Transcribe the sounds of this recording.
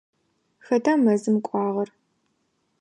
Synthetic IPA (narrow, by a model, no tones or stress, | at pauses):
xɐdʰaːmɐzɨmkʷʼɑːʁɐr